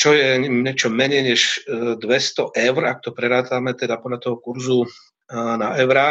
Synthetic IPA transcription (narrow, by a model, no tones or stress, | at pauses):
t͡ʃɔjɛɲɛt͡ʃɔmɛɲɛjɲɛʒd̪ʋɛst̪ɔʔɛʊɾak̚t̪ɔpɾɛɾaːt̪amɛt̪ɛd̪apɔd̪lat̪ɔɦɔkuɾzu | naʔɛʊɾa